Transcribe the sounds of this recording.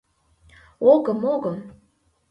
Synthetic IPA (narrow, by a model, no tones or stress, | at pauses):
oɣəmoɣə̆m